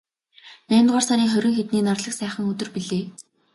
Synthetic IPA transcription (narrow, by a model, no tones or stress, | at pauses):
næːɪ̆nt̪ʁaːrsaɾiːŋχœɾʲɪ̆ŋxet̪niːnarɮə̆ksæːχə̆ŋɵt̪ɵ̆rpiɮeː